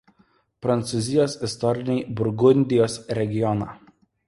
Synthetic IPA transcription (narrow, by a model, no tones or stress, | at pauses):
pɾɐnt̪sʊzʲɪjoːsɪst̪ɔɾʲɪnʲɛɪbʊɾɡʊnʲd̪ʲɪjoːsɾʲɛɡʲɪjɔnɑ̰ː